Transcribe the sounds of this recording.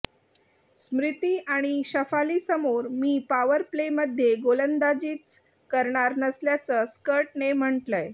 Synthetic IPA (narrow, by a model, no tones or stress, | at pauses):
smɾit̪iːʔaɽ̃iɕəfaliːsəmoɾmiːpaʋəɾpleməd̪ʱːjeɡolənd̪ad͡ʑiːt͡s | kəɾɳaɾnəsljat͡səskəɾʈnem̤əɳʈləj